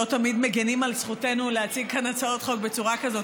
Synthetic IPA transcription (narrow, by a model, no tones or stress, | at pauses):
ot̪amidme̞ɡenimalsχute̞nulehat͡siɡ̚kanat͡sao̞tχo̞kbe̞t͡suʁakazo̞t